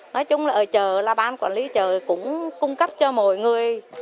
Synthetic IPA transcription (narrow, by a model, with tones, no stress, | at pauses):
nɔ˨˦jt͡ɕʊ˨˦ŋ͡mlaː˨˩ʔəː˨˩t͡ɕəː˨˩laː˨˩ɓaː˧nkwaː˨˩nli˨˦t͡ɕəː˨˩kʊ̰˧˥ŋ͡mkʊ˧ŋ͡mkə˦˥p̚t͡ɕɔ˧mɔ̰˨˩jŋɨ˨˩əj